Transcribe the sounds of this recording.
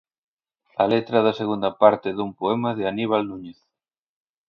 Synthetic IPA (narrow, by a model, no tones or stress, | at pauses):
ɐlet̪ɾɐðɐseɣund̪ɐpaɾt̪ɪðumpoɛmɐðɪaniβalnuɲeθ